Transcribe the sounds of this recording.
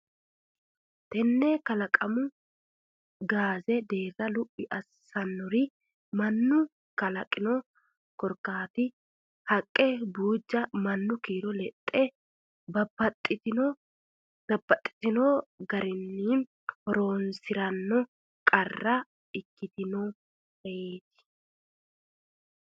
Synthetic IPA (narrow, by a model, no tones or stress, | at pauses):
t̪ɛnːɛkɐlɐkʼɐmʊ | ɡaːzɛd̪e̞ːrːɐlʊpʼːɪʔɐsːɐnːɔɾɪ | mɐnːʊ | kɐlɐkʼɪnɔ | kɔɾkaːt̪ɪ | hɐkʼːɛbuːd͡ʒːɐmɐnːʊkiːɾɔlɛt̪ʼːɛ | bɐbɐt̪ʼːɪ | d̪ɐbːɐt̪ʼːɪ̥t̪ɪnoːɡɐɾɪnːiːn | ɔɾo̞ːnsɪɾɐnːɔ | kʼɐrːɐ | ɪkːɪt̪ɪno | hɐjeːt̪ɪ̥